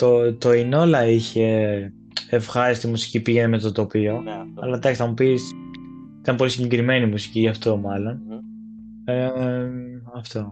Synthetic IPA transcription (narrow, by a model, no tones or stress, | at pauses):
t̪ot̪o̞ino̞lɐiçe̞ | efxɐɾist̪imusi̥cipiʝe̞neme̞t̪ot̪o̞pio̞ɐ̰lɐd̪ɐksinɐmupis | it̪ɐmpo̞lisiɲɟekɾime̞nimusi̥ciʝɐft̪o̞mɐlo̞n | e | ɐft̪o̞